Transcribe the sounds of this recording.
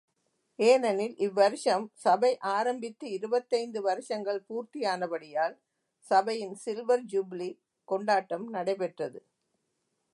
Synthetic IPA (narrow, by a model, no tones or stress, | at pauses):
eːnɐnɪlʔɪʋːɐɾɯʂɐmsɐbɐɪʔaːɾɐmbɪt̪ːɯɪɾɯbɐt̪ːɐɪnd̪ɯʋɐɾɯʂɐŋɡɐɭpuːɾt̪ɪjaːnɐbɐɽɪjaːl | sɐbɐjɪnsɪlʋɐɾd͡ʒʊbli | kɔɳɖaːʈːɐmnɐɽɐɪpɛʈrɐðɯ